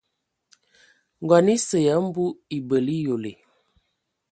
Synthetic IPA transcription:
ŋ˨ɡɔ˨ni˦sə˨jə˨˦m̩˦bu˦i˨bə˨li˦jo˨le˨

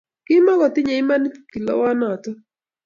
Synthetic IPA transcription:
kɪ˦mɔ˦kɔ˨tɪ˦ɲe˨ɪ˦ma˦n˦ki˨lɔ̰˨˦wa˦na˨tɔ˦

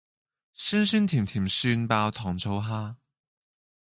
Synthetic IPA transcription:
sy˥nsyː˥nt̪ʰiː˨˩mt̪ʰiː˨˩msyː˧npaː˧wt̪ʰɔː˨˩ŋt͡sʰo˧˥wɦaː˥

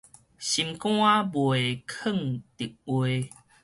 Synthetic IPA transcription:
ɕi˧˨mkw̃a˦bwe˨kʰə˥˨ŋt̪i˨˩k̚we˧

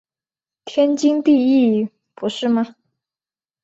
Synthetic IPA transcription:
t̪ʰjɛ˥nt͡ɕi˥ŋt̪i˥˧i˥˩ | pu˧˥ʂɻ̩˥˩mɐ˨˩

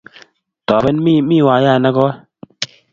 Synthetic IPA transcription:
tɔ˨bɛ˦nmi˦mi˦˨wa˨˦ja˦˨na˦kɔ˦

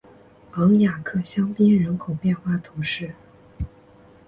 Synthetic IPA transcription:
ɑ˧˥ŋja˨˩kʰɤ˥˩ɕjɑ˥ŋpi˥nɻə˧˥nkʰo˨˩ʊpjɛ˥˧nxwa˥˩t̪ʰu˧˥ʂɻ̩˥˩

